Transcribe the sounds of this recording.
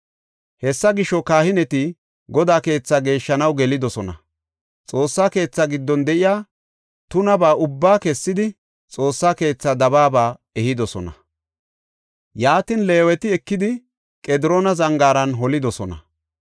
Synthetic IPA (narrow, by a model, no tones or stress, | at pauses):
hɛsːɐɡɪʃɔkaːhɪnɛt̪ɪ | ɡɔd̪aːke̞ːt͡sːaːɡe̞ːʃːɐnɐwɡɛlɪd̪ɔsɔnɐ | t͡sʼo̞ːsːaːke̞ːt͡sːaɡɪd̪ːɔnd̪ɛʔɪjaː | t̪ʊnɐbaːʔʊbːaːkɛsːɪd̪ɪ | t͡sʼo̞ːsːaːke̞ːt͡sːad̪ɐβaːbaːɛhɪd̪ɔsɔnɐ | jaːt̪ɪnle̞ːwɛt̪ɪɛkːɪd̪ɪ | kʼɛd̪ɪɾoːnɐzɐŋɡaːɾɐnɦɔlɪd̪ɔsɔnɐ̰